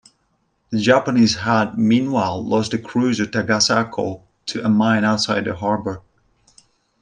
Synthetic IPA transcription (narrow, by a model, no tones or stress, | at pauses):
ðɨd͡ʒæpəniz̥ɦad̚mĩnwaɪlˠlɔstɨkʰɹ̥ʉzʌv̥tʰaɡasakʰoʊ | tʰɨʔəmãɪ̃ñaʊtsaɪd̪̚ðəɦɑɹbə˞